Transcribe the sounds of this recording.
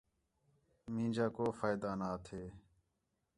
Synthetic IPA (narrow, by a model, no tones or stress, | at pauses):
mĩːd͡ʒaːkoːfaːjd̪aːnaːt̪ʰeː